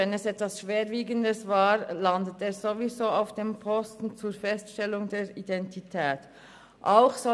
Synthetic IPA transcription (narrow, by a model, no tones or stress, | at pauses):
ɛnɛsɛtv̥asʃv̥eːɾviːɡəndəsvaːʁlandəteːzovizoːaʊfd̥eːmpʰɔstn̩t͡suːfɛstʃtɛlʊŋdeːɹidɛntʰitʰɛːt | ʔaʊxsɔ